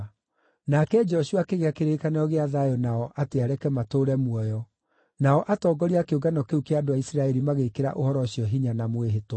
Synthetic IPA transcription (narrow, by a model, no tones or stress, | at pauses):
nakɛd͡ʒɔʃuakeɣeakeɾekanɛɔɣeaðajɔnaɔʔateaɾɛkɛmatoːɾɛmwɔjɔ | naɔʔatɔːɡɔɾiakeoɡanɔkeukeadoaisɾaɛɾimaɣekeɾa̰ʔohɔɾɔɕiɔɦiɲanamweɦeto